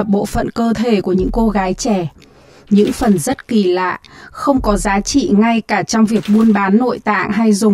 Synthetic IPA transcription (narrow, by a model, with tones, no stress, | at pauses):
p̚ɓo̰˧˨fə̰˧˨nkəː˧t̪ʰe˧˩ku˧˩əɲɨ̰˧˥ŋko˧ɣaː˨˦jt͡ɕɛ˧˩ | ɲɨ̰˧˥ŋfə˨˩nzə˦˥t̚ki˧˩la̰ː˧˨xə˧wŋ͡mkɔ˨˦zaː˨˦t͡ɕḭ˧˨ŋa˧jkaː˧˩t͡ɕɔ˧wŋ͡mvi˨˩ək̚ɓu˧ənɓaː˨˦nːo̰˧˨jt̪a̰ː˧˨ŋɦa˧jzʊ˨˩ŋ͡m